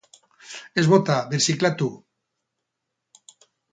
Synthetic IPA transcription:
ezβot̪aβiɾsiklat̪u

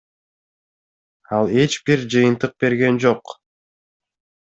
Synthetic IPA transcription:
ɑlˠe̞t͡ʃbiɾd͡ʒɯjɯnt̪ɯq̚be̞ɾɡe̞nd͡ʒo̞q

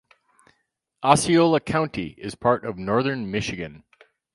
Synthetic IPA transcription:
ʔɑsioʊlˠəkʰãʊ̃ntʰḭɪz̥pʰɑɹɾʌvnɔɹðə̃˞nmɪʃɨɡɨ̃n

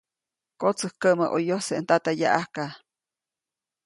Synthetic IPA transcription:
kot͡səhkəməʔojohsent̪at̪ajaʔahka

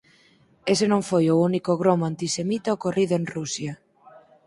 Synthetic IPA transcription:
esenõŋfojounikoɣɾomoant̪isemit̪aokoriðoeŋrusja

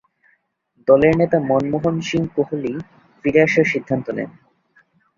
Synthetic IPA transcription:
d̪ɔleɾnet̪amɔnmoɦonʃiŋkoɦoli | fɾiɾeaʃeɾʃid̪ʱːant̪onɛ̰n

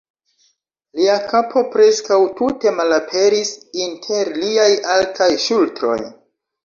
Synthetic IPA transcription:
liakapʰo̞pɾe̞skawtute̞malapʰe̞ɾisintʰe̞ɾliajaltʰajʃultɾo̞̰j

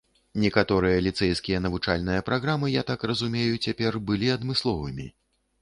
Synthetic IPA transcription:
nʲɛkat̪ɔɾɨjɐlʲit̪sɛjskʲijɐn̪ɐvut͡ʂalʲnɨjɐpɾaɣɾamɨjat̪akrɐzumʲejut͡sʲapʲɛrbɨlʲiɐd̪mɨslˠɔvɨmʲḭ

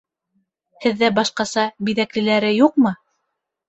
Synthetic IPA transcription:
hɘ̆ðːæbɑʃqɑsɑbiðæklɘ̆læɾɘjuq̚mɤ

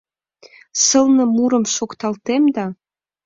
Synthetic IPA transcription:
səlnɤ̆muɾə̆mʃokt̪ɑlt̪emd̪ɑ

